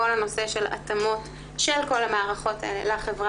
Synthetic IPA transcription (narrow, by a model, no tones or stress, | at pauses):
olano̞se̞ʃe̞la̰tamo̞t | ʃelko̞lamaaʁaχo̞taʔelḛlaχevʁa